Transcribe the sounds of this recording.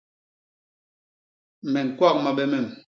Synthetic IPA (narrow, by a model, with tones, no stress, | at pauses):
mɛ˨ŋ̩˨kwa˦k̚ma˨ɓɛ˦mɛ˦˨m